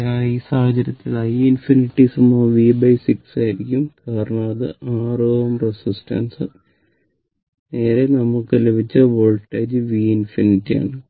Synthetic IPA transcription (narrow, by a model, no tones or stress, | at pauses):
aiːsaːhɐt͡ɕɐɾjɐt̪ːilɐjinfiniʈːisumoːʋiːbɐjsiksaːjiɾikʲːumkaːɾɐɳɐmɐðɨ̰ʔaːroːʋɐmresisʈɐ̰nsɐ̰ | ne̞ːɾe̞nɐmːuɭkɨlebʱit͡ɕːɐʋoːɭʈːeːd͡ʑɨʋiːinfiniʈːija̰ːɳɨ